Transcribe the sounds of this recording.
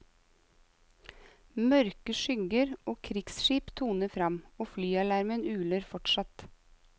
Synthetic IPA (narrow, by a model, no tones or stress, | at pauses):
mœɾkəʃʏɡəɾoːkʰɾɪksʃiːpt̪ʰuːnəfɾɑmoːflyːɑlæɾmənʉːləɾfɔʈʃɑt̪